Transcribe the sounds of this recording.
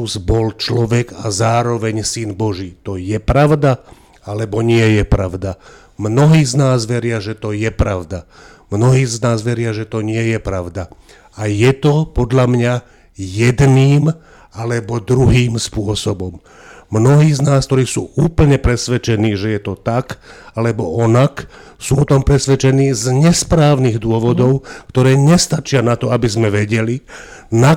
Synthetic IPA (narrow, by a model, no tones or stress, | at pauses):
uzbɔlt͡ʃlɔʋɛɡazaːɾɔʋɛɲsinbɔʒiːt̪ɔjɛpɾaʊd̪a | alɛbɔɲɪɛjɛpɾaʊd̪a | mnɔɦiːznaːzʋɛɾɪaʒɛt̪ɔjɛpɾaʊd̪a | mnɔɦiːznaːzʋɛɾɪaʒɛt̪ɔɲɪɛjɛpɾaʊd̪a | ajɛt̪ɔpɔd̪ʎamɲa | jɛd̪niːm | alɛbɔd̪ɾuɦiːmspʊɔsɔbɔmː | nɔɦiːznaːsk̚t̪ɔɾiːsuːuːpl̩ɲɛpɾɛsʋɛt͡ʃɛniːʒɛjɛt̪ɔt̪akalɛbɔʔɔnak | suːɔt̪ɔmpɾɛsʋɛt͡ʃɛniːzɲɛspɾaːʊniɣd̪ʊɔʋɔd̪ɔʊkt̪ɔɾɛːɲɛst̪at͡ʃɪanat̪ɔabizmɛʋɛɟɛli | na